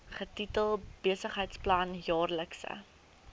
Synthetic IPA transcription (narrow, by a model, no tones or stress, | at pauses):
χətitəlˠb̥eəsəχɦəjtsplɐnjɑːrləksə̰